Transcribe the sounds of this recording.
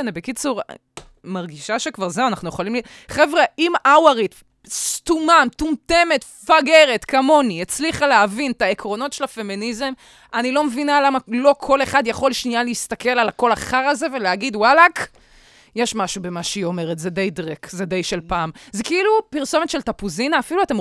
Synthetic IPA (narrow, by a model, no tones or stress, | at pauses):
anibekit͡suʁ | maʁɡiʃaʃekvaʁzewanaχnujeχolimli | χevʁeimawaʁit̪ | st̪umamt̪umt̪e̞me̞t̪ | faɡe̞ʁetkamo̞niet͡sliχaleavint̪aekʁo̞no̞tʃelafe̞minizem | anilo̞mevinalamalo̞kʰo̞le̞χadjaχo̞lʃnialeist̪ake̞lalako̞laχaʁaze̞ve̞leaɡid̪walak | jeʃmaʃubemaʃeio̞me̞ʁet̪zed̪ejd̪ʁekzed̪ejʃelpaːmzekeilupiʁso̞metʃeltapuzinaːfiluate̞m